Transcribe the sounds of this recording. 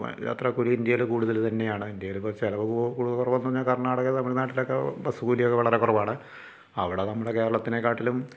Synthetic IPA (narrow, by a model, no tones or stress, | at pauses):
ja̰ːt̪rɐkuɽiind̪jɐlɨkuːɽuðɐlt̪ɐnːe̞jaːɳɨind̪jɐjlpoːt͡ɕelɐʋɨkukuːɽuðɐlkurɐʋɐʋɐnːuːɐɲːaːlkɐrɳaːɽɐɣɐnɐmːuɽenaːʈːilokːebɐsuɡuːlijokːeʋɐɭɐre̞kurɐʋaːɳɨ | ɐʋiɽenɐmːuɽeke̞ːɾɐɭɐt̪ːine̞kːaːʈːilum